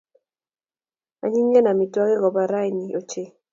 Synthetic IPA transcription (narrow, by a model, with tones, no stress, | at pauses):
a̰˨ɲi˦ŋɡɛ˦na˨mi˨twɔ˦kɪ˦kɔ˨ba˨ɾa˦jni˨o˨t͡ʃe˦